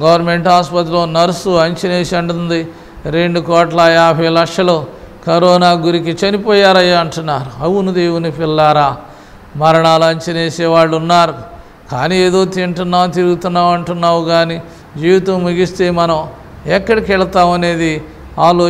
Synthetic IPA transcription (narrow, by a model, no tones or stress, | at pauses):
ɡɐʋɐɾme̞ɳʈaːspɐt̪̬ilo̞ːnɐɾusuɐɲt͡ʃɐneːsiɐɳʈund̪i | ɾe̞ɳɖukɔːʈlɐjaːbʱɐjlɐkʂɐlo̞ː | kɐɾɔːnaːɡuɾik̬it͡ʃɐnipɔːjaːɾɐjaːɐɳʈunːaːɾuɐwunud̪eːwunipilːaːɾaː | mɐɾɐɳaːluɐɲt͡ʃɐneːseːʋaːɭːunːaːɾu | ka̰ːniːeːd̪o̞ːt̪iɳʈunːaːnt̪iːɾuɡut̪unːaːwɐɳʈunːaːwuɡaːni | d͡ʒiːʋit̪ɐmːuɡist̪e̞ːmɐnɐm | ɛkːɐɽikɛɭɐt̪aːmɐne̞ːd̪i | aːloː